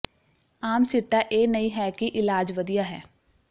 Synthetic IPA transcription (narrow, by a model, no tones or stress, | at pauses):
aːmsɪʈːaʔeːnəiɦɛːkiʔɪlaːd͡ʒʋəd̪ijaːɦɛː